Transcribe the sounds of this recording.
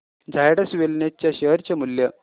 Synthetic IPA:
d͡zʱajɽəsʋelnjat͡ɕjaɕəɦəɾt͡ɕamuljə

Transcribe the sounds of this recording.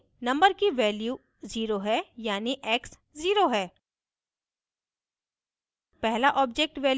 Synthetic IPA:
nɐ̃mbəɾkiʋɛːljuː | ziːɾoɦɛjaːniʔɛːks | ziːɾoɦɛː | pɛɦlaʔɔːb̚d͡ʒek̚ʈʋɛːl

